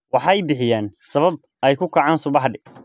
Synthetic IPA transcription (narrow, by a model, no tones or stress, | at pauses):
wɑħɑjbɪħɪjaːnsɐβɐb̚ | ɛjkʰʊkʰɐʕɑːnsʊβɑħɖɪ